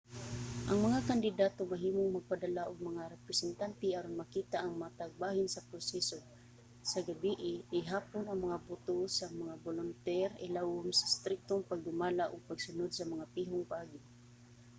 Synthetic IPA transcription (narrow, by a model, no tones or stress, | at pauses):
ʔɐŋmɐŋakand̪ɪd̪aːt̪omɐɦiːmʊŋmɐɡ̚pad̪alaʔʊɡ̚mɐŋaɾɛpɾɛsɛnt̪ant̪ɛʔaɾʊnmɐkiːt̪aʔaŋmat̪aɡ̚bahɪnsɐpɾosɛso | sɐɡabiʔɪʔɪɦaːponɐŋmɐŋabʊt̪osaŋmɐŋabolʊnt̪ɛɾɪlawʊmsɐst̪ɾɪk̚t̪oŋpaɡ̚ɡʊmaːlaʔʊɡ̚pɐɡsʊnʊd̪sɐmɐŋapiːɦʊŋpaʔaːɡɪ